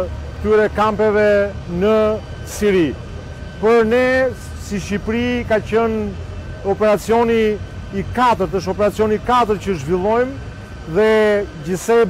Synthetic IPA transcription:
t̪yɾɛkampɛvɛnə | siɾi | pəɾnɛ | siʃipɾikacən | ɔpɛɾat͡siɔniː | kat̪əɾt̪əʃ̬ɔpɛɾat͡siɔnikat̪əɾcəʒvilˠɔjm | ðɛɟisɛ

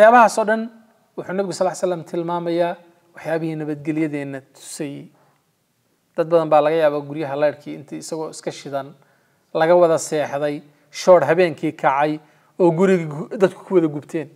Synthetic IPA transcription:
wɑħjaːβɐɦaːsɔːɖɐn | wʊħuːnɐβɪɣʊsɐlːajsɐlːɐmt̪ʰɪlmaːmɐjaː | wɑħjaːβɪhiːnɐβɐd̪ɡɛlɪjɐðɛːnːɐt̪ʰʊ̥sɛj | d̪̥ɐd̪̚bɐðɐmbaːlɐɣɐjaːβaːɡʊɾjɐɦɐlɛjɾkʰiːɪnt̪ʰiːɪsɐɣɔːɪskʰɐʃɪðɐn | lɐɣɐwɑðɐsɛːħðɛj | ʃɔːɽɦɐβɛːŋkʰiːkʰɐʕɑj | ɔːɡʊɾɪɣd̪ɐd̪kʰʊ̥kʰʊwɐðɐɡʊbt̪ʰɛːn

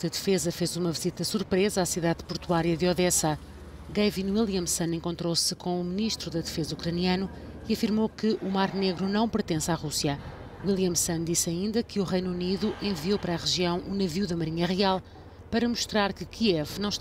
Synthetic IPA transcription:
ɐðfezɐfezumɐvizit̪ɐsuɾpɾezɐasiðaðpuɾt̪uaɾjɐðɔðɛsɐ | ɣɐvinwilˠjɐmsɐ̃nẽŋkõnt̪ɾosɨkʰõumɨniʃt̪ɾuðɐðɨfezɐukɾɐniɐnu | iɐfiɾmokɨʔumaɾneɣɾunɐ̃w̃pɨɾt̪ẽsaʁusijɐ | wilˠjɐmsɐnd̪isɐĩnd̪ɐkʰɨuʁɐjnuniðuʔẽviopɐɾaʁɨʒiɐ̃w̃ʔunɐviuðɐmɐɾiɲɐʁialˠ | pɐɾɐmuʃt̪ɾaɾkɨkʰiɛvnɐ̃w̃ʃt̪

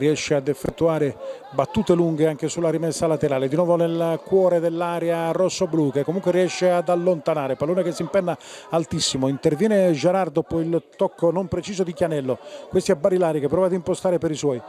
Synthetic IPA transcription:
riɛʃːead̪ɛfːet̪ːuaːɾe | bat̪ːuːt̪eluŋɡeaŋk̟esulːaɾimɛsːalat̪eɾaːled̪inwɔːvonelkwɔːɾed̪elːaɾjarɔsːobluːkekːomuŋkweɾiɛʃːead̪alːont̪anaːɾepalːoːnekesːimpɛnːaalt̪isːimoint̪ervjɛːned͡ʒeɾard̪ɔpoilt̪ɔkːonompɾet͡ʃiːzod̪ikjanɛlːokwest̪iɛbːaɾilaːɾikepːɾɔːvad̪impost̪aːɾepeɾiswɔːj

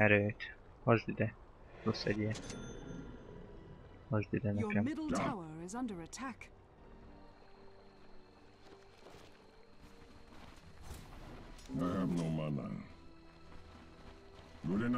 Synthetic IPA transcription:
ɛɾøːt̪ | hɒʒd̪yd̪ɛ | rosɛdiɛ | hɒʒd̪yd̪ɛnɛkɛmmɪdl̩ˠtaaʊəɹɪzʌ̃ndəɹətʰak | nɛɛmnomana̰ | lulin

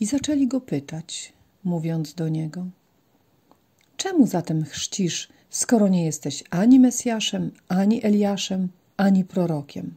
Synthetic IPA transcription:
izat͡ʂɛlʲiɡɔpɘt̪at͡ɕ | muvʲjɔnd̪zd̪ɔɲɛɡɔ | t͡ʂɛmuzat̪ɛmxʂt͡ɕiʂ | skɔɾɔɲɛjɛst̪ɛɕaɲimɛsʲjaʂɛmaɲiʔɛlʲjaʂɛm | aɲipɾɔɾɔkʲʰɛ̰m

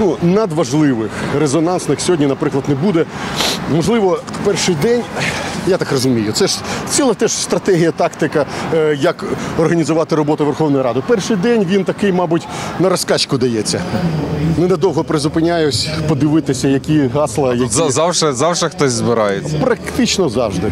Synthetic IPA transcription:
nunɐd̪ʋɐʒlˠɪʋɪxrezɔnɑnsnɪxsʲɦɔdʲnʲinɐpɾɪklˠɐd̪nɛbud̪ɛmɔʒlˠɪʋɔpɛrʃɪjd̪ɛnʲjat̪ɑkrɔzʊmʲijʊt̪sɛʂt͡sʲilˠɐt̪ɛʃst̪ɾɐt̪ɛɦʲijɐt̪ɑkt̪ɪkɐjɐkɔrɦɐnʲizʊʋɑt̪ɪɾɔbɔt̪ʊʋerxɔwnɔjɾɑd̪ɪpɛrʃɪjd̪ɛnʲʋʲint̪ɐkɪjmɑbʊtʲnɐɾɔskɑt͡ʃkʊd̪ɐjɛt͡sʲːɐ | nɛnɛd̪ɔwɦɔpɾɪzʊpɪnʲajʊsʲpɔd̪ɪʋɪt̪ɪsʲɐjɐkʲiɦɑslˠɐjɐkzɑwʒɛzɑwʒɐxt̪ɔsʲzbɪɾajepɾɐkt̪ɪt͡ʃnɔzɑwʒd̪ɪ

